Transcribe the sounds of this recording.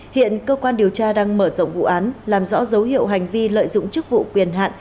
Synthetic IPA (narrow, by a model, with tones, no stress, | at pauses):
hḭ˧˨ənkəː˧kwaː˧nɗi˨˩əwt͡ɕaː˧ɗaː˧ŋməː˧˩zo̰˧˨wŋ͡mvṵ˧˨ʔaː˨˦nlaː˨˩mzɔ̰˧˥zə˨˦whḭ˧˨əwɦa˨˩jŋ̟vi˧lə̰ː˧˨jzʊ̰˧˨ŋ͡mt͡ɕɨ˦˥k̚vṵ˧˨kwi˨˩ənɦa̰ː˧˨n